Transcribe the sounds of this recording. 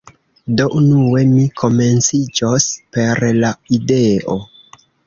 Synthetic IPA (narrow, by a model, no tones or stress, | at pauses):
do̞ʔunuwe̞mikʰo̞me̞nt͡sid͡ʒospe̞ɾlaide̞o̞